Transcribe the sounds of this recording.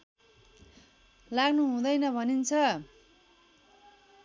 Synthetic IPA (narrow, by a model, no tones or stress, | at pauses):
laɡnuɦũd̪ʌjnʌbʱʌnint͡sʰʌ